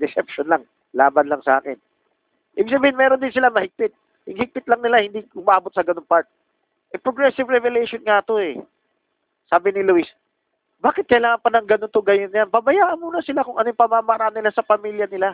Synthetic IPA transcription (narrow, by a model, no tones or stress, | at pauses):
d̪ɛsɛpʃonlaŋ | laːbɐnlɐŋsɐʔa̰ːkɪn | ʔḭbɪɡ̚s̬ɐbiːhɪnmɛːɾond̪ɪns̬ɪlamɐhɪk̚pɪt̪̚ | hɪŋhɪɡ̚pɪt̪̚lɐŋnɪlahɪnd̪iʔʊmaːbot̪̚sɐɡɐnoŋpaɹt̪̚ | ʔɛpɾoɡɹɛsɪvɹɛvɛlɛjʃonŋat̪o̞ɛ̰ | saːbɪnɪluɪs | baːkɪt̪̚kɐɪlaːŋɐnpɐnɐŋɡɐnont̪oɡɐjonjanpɐbɐjaːʔɐnmuːnɐsɪlakʊŋʔɐnojɪŋpɐmamaɾaʔanːɪlasɐpɐmiljɐnɪla